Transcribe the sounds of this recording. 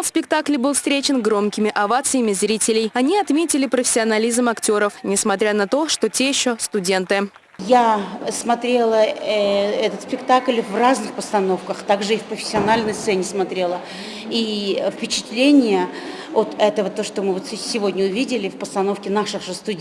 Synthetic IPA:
lˠsʲpʲɪkt̪aklʲɪbɨlˠfst̪ɾʲet͡ɕɪnɡɾo̞mkʲɪmʲɪʔɐvat̪sɨjɪmʲɪzɾʲitʲɪlʲɪjɐnʲiɐt̪mʲetʲɪlʲɪpɾəfʲɪ̥sʲɪɐnɐlʲizmɐktʲo̞ɾəfnʲɪsmɐt̪ɾʲanɐt̪o̞ʂt̪o̞tʲejɪɕːo̞st̪ʊdʲe̞nt̪ɨ | jasmɐt̪ɾʲe̞lˠə | ɛt̪ət̪sʲpʲɪkt̪aklʲvraznɨxpəst̪ɐno̞fkəxt̪aɡʐɨifpɾəfʲɪ̥sʲːɪɐnalʲnəjst̪sɛnʲɪsmɐt̪ɾʲe̞lˠə | ifpʲɪt͡ɕɪ̥t̪lʲenʲɪjə | ot̪ɛt̪əvət̪oʂt̪omɨvot̪ssʲɪvodʲnʲəʊvʲidʲɪlʲɪfpəst̪ɐnofkʲɪnaʂɨxʐɨst̪ʊ

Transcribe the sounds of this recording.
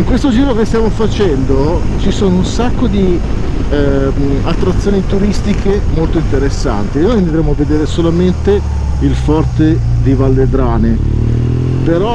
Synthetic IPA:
iŋkwest̪od͡ʒiːɾokest̪jaːmofat͡ʃɛnd̪ot͡ʃisoːnounsakːod̪i | at̪ːɾat̪sːjoːnit̪uɾist̪ikʰemolt̪oint̪eɾesːa̰nt̪inojnd̪ɾemoaved̪eːɾesolament̪e | ilfɔrt̪ed̪ivalːed̪ɾaːne | peɾɔ

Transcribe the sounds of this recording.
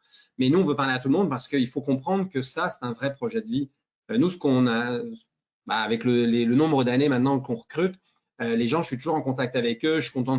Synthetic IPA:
mɛnuɔ̃vøpaʁleat̪ulmɔ̃d̪̚paʁsə̥kəilfokɔ̃pχɑ̃d̪ʁəkəsasɛ̥t̪ɛ̃vʁɛpχɔʒɛd̪əvi | ønusə̥kɔ̃na | baːvɛkləlelənɔ̃bʁəd̪anemɛ̃t̪̚nɑ̃kɔ̃ʁəkχyt̪ | øleʒɑ̃ʒəsɥit̪uʒuʁɑ̃kɔ̃t̪ak̚t̪avɛkøʒəsi̥kɔ̃t̪̬ɑ̃

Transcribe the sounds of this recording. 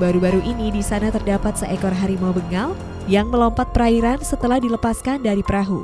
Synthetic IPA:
baɾubaɾuʔinidisanat̪ərdapat̪̚səʔɛkɔrɦaɾimɔbəŋal | jaŋməlɔmpat̪̚pəɾaiɾansət̪əlahdiləpaskandaɾipəɾaɦu

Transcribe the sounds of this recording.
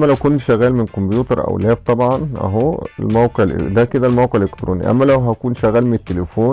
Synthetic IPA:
mːælæwkonːʃæɣæːlmenkombjuːt̪ɑɾˤʔæ̰wlæːb̚t̪ˤɑbʕɑnʔæ̰ɦoːḛlmæwqeʕelʔḛd̪æked̪ælmæwqeʕelːʔekt̪ɾʔo̰ːnḭʔæ̰mːælæwɦækuːnʃæɣæːlmenet̪ːelefoːn

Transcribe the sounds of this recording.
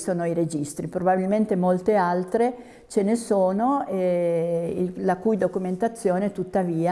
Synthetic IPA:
soːnoiɾed͡ʒist̪ɾipɾobabilment̪emolt̪ealt̪ɾe | t͡ʃenesoːnoɛ | ilakujd̪okument̪at̪sːjoːnet̪ut̪ːaviːa

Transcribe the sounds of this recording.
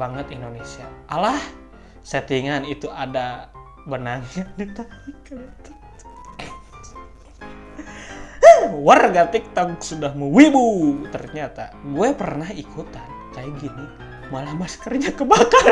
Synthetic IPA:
baŋət̪indonesiaːlah | sət̪iŋanit̪uʔada | bənaŋjaŋdit̪aikant̪ | warɡat̪ik̚t̪aŋksudahməwibut̪ərɲat̪a̰ɡuɛpərnahikʰut̪an | kajaɡini | malahmaskərɲakəbakar

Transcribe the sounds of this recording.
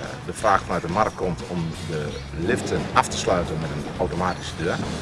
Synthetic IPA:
dəfraːxfɔnœɥt̚dəmarəkkʰːɔmtʰɔmdə | lɪftʰənaftə̥slœɥtənmɛtənawtomaːti̥sədøːər

